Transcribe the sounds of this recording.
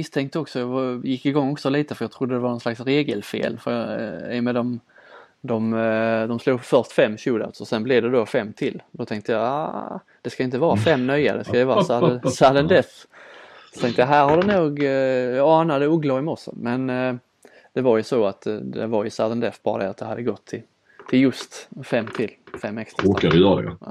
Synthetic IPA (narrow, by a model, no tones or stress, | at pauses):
mɪst̪ʰɛŋk̚t̪əɔksɔjɑɡvjɪkːɪɡɔŋːɔksɔliːt̪əfœɾjɑːt̪ʰɾʊd̪ːəd̪ɛvaɾnɔnslaksɾeːɡəlfḛːlfəɾjɑɪ̰jɔmeːd̪ɔm | d̪ɔmd̪ɔmsluːɡfœɾʂt̪fɛmːɕuːd̪a̰t̪sɔsɛnblɪd̪ɛd̪ofɛmːt̪ʰɪlːd̪ɔt̪ʰɛŋk̚t̪əjɑa̰ | d̪̥ɛskaɪnt̪əvɑːɾafɛmːnœjːa̰d̪ɛskaɛvɑːɾasasad̪ɛnd̪ɛf | sɔ̥t̪ʰɛŋkt̪əjaɦæːɾhad̪ɛnuːɡjɑɑːnad̪əuɡlaɪmɔʂə̰mɛn | d̪̥ɛvaɾjɵsɔat̪d̪ɛ̰vaɾjɵsad̪ɛnd̪ɛfbɑːɾad̪ɛɾat̪̚d̪ɛhad̪ːəɡɔt̪ʰːɪ | t̪ʰɪljɵst̪fɛmːt̪ʰɪlːfɛmːɛkst̪ɾakaɾɪjœɾad̪ɛ̰